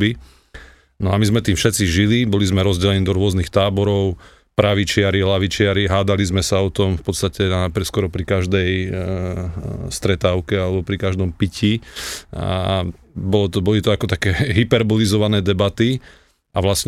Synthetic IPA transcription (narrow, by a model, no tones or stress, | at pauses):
bi | nɔamizmɛt̪iːmfʃɛt̪t͡siʒilibɔlizmɛɾɔzɟɛlɛniːd̪ɔɾʊɔznixt̪aːbɔɾɔʊ | pɾaʋit͡ʃɪaɾilaʋit͡ʃɪaɾiɦaːd̪alizmɛsaɔt̪ɔmfpɔt̪st̪acɛnapɛskɔɾɔpɾikaʒd̪ɛj | st̪ɾɛt̪aːʊkɛalɛbɔpɾikaʒd̪ɔmpici | bɔlɔt̪ɔbɔlit̪ɔakɔt̪akɛːɦipɛɾbɔlizɔʋanɛːd̪ɛbat̪i | ʔaʋlasɲ